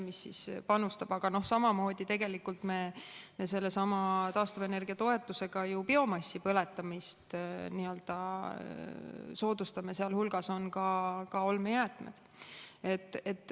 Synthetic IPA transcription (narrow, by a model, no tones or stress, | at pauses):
misːispɑnust̪ɑb̥ɑɡ̥ɑno̞hsɑmɑmo̞ːd̪it̪e̞ɡe̞likːult̪me̞me̞se̞lːesɑmɑt̪ɑːst̪uvene̞rɡ̥iɑt̪o̞e̞t̪ːˑuse̞ɡ̥ɑjupio̞mɑsːipɤle̞t̪ːˑɑmist̪niø̞ld̪̥ɑ | so̞ːd̪̥ust̪ɑme̞seɑlhulɡ̥ɑso̞nkɑkɑo̞lmejæːt̪ːˑmḛd̪̥ | et̪ːˑet̪ːˑ